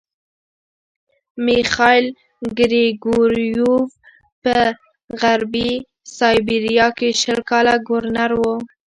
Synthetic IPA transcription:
mixɑɪl | ɡɾeɡoɾjuv | pə | ɣaɾbi | sɑjbiɾijɑkeʃəlkɑlaɡʊɾnaɾwo

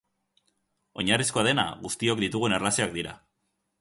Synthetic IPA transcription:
o̞ɲarisko̞að̞e̞na̰ɣust̪io̞k̚d̪it̪uɣuenerlasioakd̪iɾa̰

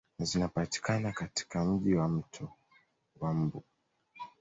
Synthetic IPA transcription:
zinapati̥kanakati̥kam̩ʄiwam̩tʰɔ | wam̩bu

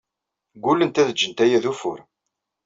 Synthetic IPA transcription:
ɡʷulːənt̪æðəd͡ʒːənt̪æjæðufʊ̰ɾ

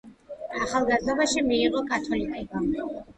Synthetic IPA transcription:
aχalˠɡazd̪ɔbaʃimiːqʼɔkʰat̪ʰwɔlikʼiɡam

